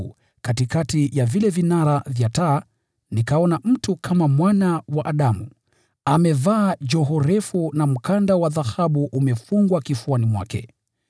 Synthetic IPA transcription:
katikatijavilɛvinaɾavjataː | nikaɔnam̩tukʰamamwanawaʔaɗamṵ | amɛvaːd͡ʒɔɦɔɾɛfunam̩kandawaðahaɓuʔumɛfuŋɡwakifuanimwa̰kɛ̰

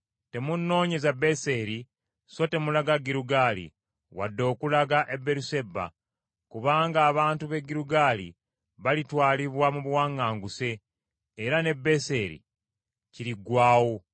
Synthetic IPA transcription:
te̞munːo̞ːɲe̞zabe̞se̞ɾi | so̞te̞mulaɡaɡiɾuɡaːlḭ | wa̰dːo̞ːkulaɡaʔe̞bːe̞ɾuse̞ba̰ | kuβaːŋɡaːβaːntuβe̞ɡiɾuɡaːlḭ | βalitwaːliβwamuβwaːŋːaːŋɡuse̞ː | ɾane̞bːe̞se̞ɾḭ | ciɾiɡwaːwo̞

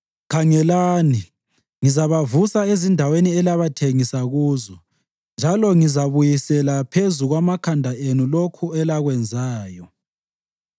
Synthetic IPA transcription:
kʰaŋɛlaːni | ŋizaβavusaezindʱaweniɛlaβatʰeŋisaɣuːzɔ | nd͡ʒʱalɔŋizaβujisɛlapʰezuɣwamakʰandʱaenulokʰuɛlaɣwɛnd͡zʱaːjɔ

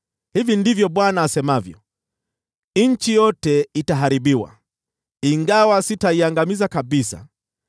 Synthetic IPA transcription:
hivindivjɔɓwanaːsɛmavjɔ | ɲ̩t͡ʃijɔtɛitaɦaɾiɓiwa̰ | iŋɡawasitaiaŋɡamizakaɓisa̰

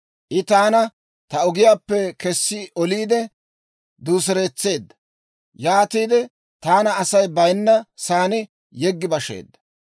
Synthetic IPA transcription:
ʔɪt̪aːnɐ | t̪ɐɔɡɪjaːpːɛkɛsːɪʔɔliːd̪ɛ | d̪uːs̬ɛɾe̞ːt͡sːe̞ːd̪ːɐ̥ | jaːt̪iːd̪ɛ | t̪aːnɐːsɐjbɐjnːɐsaːnɪ | jɛɡːɪbɐʃḛːd̪ːɐ̥

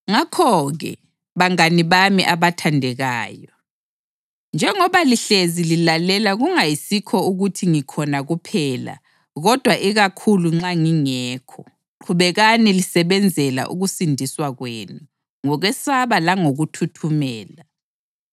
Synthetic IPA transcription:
ŋakʰɔɣɛ̰ | βaŋaniβamḭʔaβatʰandʱɛɣaːjɔ | nd͡ʒʱɛŋɔβaliɬezililalɛlaɣuŋajisikʰɔuɣutʰiŋikʰɔnaɣupʰɛːla̰ | ɣɔd̥ʱwaʔiɣakʰuluŋ͡ǁaŋiŋɛːkʰɔ | ǃʰuβɛɣanɛlisɛβɛnd͡zʱɛla̰ʔṵɣusindʱiswaɣweːnu | ŋɔɣɛsaβalaŋoɣutʰutʰumɛːla

